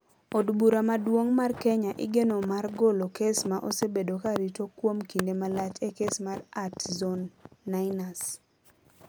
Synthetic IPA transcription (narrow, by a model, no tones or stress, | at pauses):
odbuɾamadwoŋmarkɛɲaʔɪ̰ɡenomarɡolokesmaʔosebedokaɾitokwomkindemalat͡ʃekesmaratzɔnːaɪnas